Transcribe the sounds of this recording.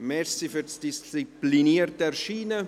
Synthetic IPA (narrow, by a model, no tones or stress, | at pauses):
mɛɾsifyɾtd̥ist͡sipliniərtəɛʃiːnə